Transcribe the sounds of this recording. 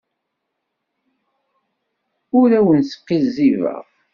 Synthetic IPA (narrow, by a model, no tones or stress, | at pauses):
ʊɾæwənsə̥qːizːivə̰ʁ